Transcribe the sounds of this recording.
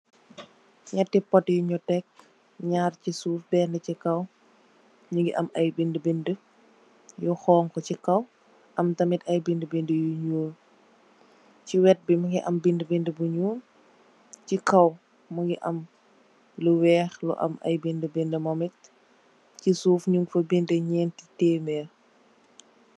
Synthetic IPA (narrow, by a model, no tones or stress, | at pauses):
ɲɐtːipɔtjuɲutɛk̚ | ɲaːrcisuːfbɛːndɐcikɐw | ɲuŋɡiʔɐmɐjbindəbində | juxɔːŋkɔcikɐw | ʔɐmtɐmitɐjbindəbindəjuɲuːl | ciwɛt̚bimɐŋɡiʔɐmbindəbindəbuɲuːl | cikɐw | mɐŋɡiʔɐm | ləwɛːxlṵʔɐ̰mʔɐ̰jbindəbindəmɐmɛt | cisuːfɲuŋɡfɐbindəɲɛːntitɛːmɛ